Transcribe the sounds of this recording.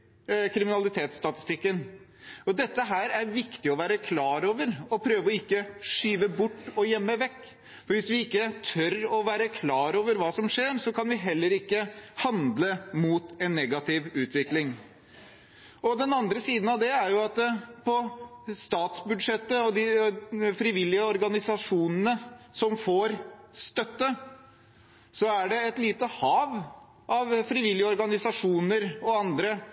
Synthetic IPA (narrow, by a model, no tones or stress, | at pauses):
kʰɾɪmɪnɑlɪt̪ʰeːt̪st̪ɑt̪ɪ̥st̪ɪkːən | ɔd̪ɛt̪ːəɦæːɾæɾʋɪkt̪ɪɔʋæːɾəkʰlɑːɾoːʋəɾɔpʰɾøːʋəɔɪkːəʂyːʋəbʊʈːɔjɛmːəʋɛkː | fɔɾʋɪsʋɪɪkːət̪ʰœɾɔʋæːɾəkʰlɑːɾoːʋəɾʋɑːsɔmʂeːɾsɔkɑnʋɪɦɛlːəɾɪkːəhɑnd̪ləmuːt̪ɛnːɛɡɑt̪ʰɪʋʉːt̪ʰʋɪklɪŋ | ɔd̪ɛnɑnd̪ɾəsiːd̪n̩ɑʋd̪ɛæɾjʊɑt̪pʰɔst̪ɑːt̪sbʉd̪ʂɛt̪ːəɔd̪ɪfɾɪʋɪlːɪəɔɾɡɑnɪsɑʂuːnənəsɔmfoːɾst̪œt̪ːə | sɔæɖɛɛt̪liːt̪əhɑːʋ | ʔɑʋfɾɪʋɪlːjəɔɾɡɑnɪsɑʂuːnəɾɔɑnd̪ɾə